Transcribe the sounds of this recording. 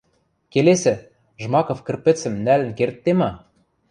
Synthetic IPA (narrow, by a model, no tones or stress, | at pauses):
kelesɘ̆ | ʒmɑkŏfkɘ̆rpɘ̆t͡sɘ̆mnælɘ̆nkert̪ːemɑ